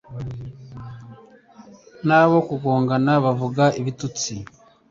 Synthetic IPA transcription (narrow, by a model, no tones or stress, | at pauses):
naβo̞kuɡoːŋɡanaβavuɡaʔiβitut͡si